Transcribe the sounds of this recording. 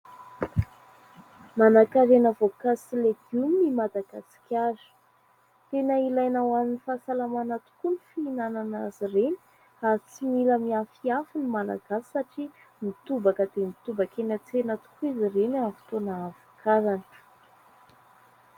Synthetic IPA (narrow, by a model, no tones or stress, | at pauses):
manakaɾenavokasileɡumnimad̪aɡ̥asi̥kʲaɾi̥ | t̪enəilajnawaninifasalamanat̪u̥kunifiːnananazireni̥ | at͡similəmiafiafunimala̰ɡ̥asi̥saʈ͡ʂi | mit̪ubakəd̪emit̪ubakenat͡senat̪u̥kuizirenavu̥t̪onaːvokʰaɾanə̥